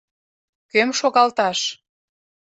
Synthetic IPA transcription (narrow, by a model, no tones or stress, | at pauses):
kømʃoɣɑlt̪ɑʃ